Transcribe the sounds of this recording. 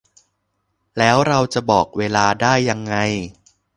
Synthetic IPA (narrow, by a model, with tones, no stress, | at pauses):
lɛː˦˥wɾa˧wt͡ɕa˨˩bɔː˨˩k̚weː˧laː˧daː˥˩jːa˧ŋːa˧j